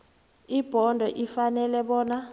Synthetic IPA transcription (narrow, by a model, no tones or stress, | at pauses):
ib̥ʱɔndʱɔʔifanɛlɛɓɔːna